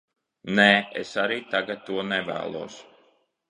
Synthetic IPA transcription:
nɛesaɾiːt̪aɡat̪̚t̪ːuɔnɛvæ̰ːlˠṵɔs

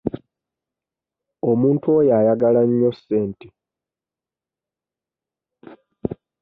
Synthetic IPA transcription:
o̞muːntuojajaɡalaɲːo̞sːeːnti

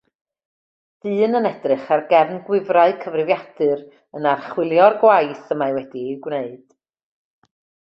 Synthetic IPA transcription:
d̥ɨːnənɛdrɨχarɡɛvnɡwɪvraɨkʰəvrɪvjad̥ɨɾ | ənarχwɪlˠjɔrɡwajθəmaɨwɛdiɡwneɨd̥

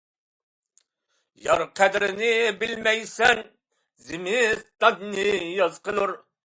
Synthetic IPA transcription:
jɑɾqʰæd̪ɾɪnɪbɪlmæjsæn | zɪmɪst̪ɑd̪nɨjɑzqʰəlˠuɾ

